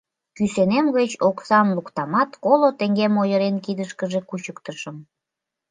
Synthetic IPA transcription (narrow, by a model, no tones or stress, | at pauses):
kysenemɣət͡ɕoksɑmlukt̪ɑmɑt̪kolot̪eŋɡemojəɾenkid̪əʃkəʒe̽kut͡ɕəkt̪əʃəm